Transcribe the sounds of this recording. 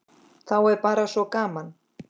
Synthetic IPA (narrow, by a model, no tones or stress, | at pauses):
θawɛɾpaːɾasɔkaːman